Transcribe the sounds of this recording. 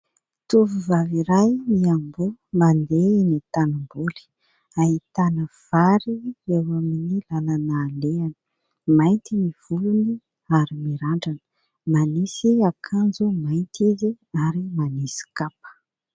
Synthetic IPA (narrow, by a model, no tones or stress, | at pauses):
t̪uvuvaviɾajmiambumand̪enit̪anambuli̥ | aɦit̪anəv̥aɾiewaminilalanaːleanə̥ | majnt̪imiv̥uluni | aɾimiɾaɳɖ͡ʐanə̥ | manisiakʰand͡zumajnt̪izi | aɾimanisi̥kapə̥